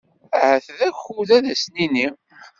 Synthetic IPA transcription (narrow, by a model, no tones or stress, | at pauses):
həθðæçuðæðæsnini